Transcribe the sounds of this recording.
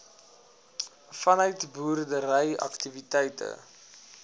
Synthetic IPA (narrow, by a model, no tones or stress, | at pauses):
fɐnœɥtbuːrdəɾəjɐ̰ktivitɛjtʰə̰